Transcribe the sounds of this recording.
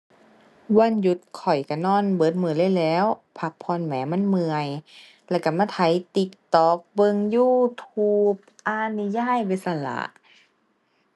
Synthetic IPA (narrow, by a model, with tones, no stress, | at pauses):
wa˧˥˨nju˧˦t̪̚kʰɔ˨˩jka˧˩nɔː˧˥˨nbɤː˨˦t̪̚mɯ˧˨lɤː˧˥˨jlɛː˨˦˧wpʰa˧˦k̚pʰɔː˧˥˨nmɛː˨˦ma˧˥˨nmɯ˧əj | lɛː˧˩ka˧˩maː˧˥˩t̪ʰa˨˦jt̪i˧˦k̚t̪ɔː˧˦k̚bɤ˧˨ŋjuː˧˩t̪ʰuː˧˩p̚ʔaː˧ni˧jaː˧˥˨jbe˧˩sa˧˩la̰ː˧˦